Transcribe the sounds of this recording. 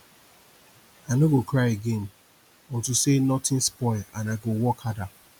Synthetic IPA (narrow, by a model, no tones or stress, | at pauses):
aɪnoɡokʰɾaɪeɡẽn | ɔ̃ntusenɔtɪ̃nspɔɪlãnaɪɡowɔkhada